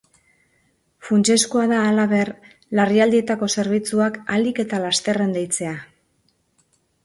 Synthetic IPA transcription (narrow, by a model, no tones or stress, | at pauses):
funt͡ʃe̞skoaðaːlaβe̞r | lariald̪ie̞t̪ako̞se̞ɾβ̞it͡suakalike̞t̪alast̪e̞re̞nd̪ejt͡se̞a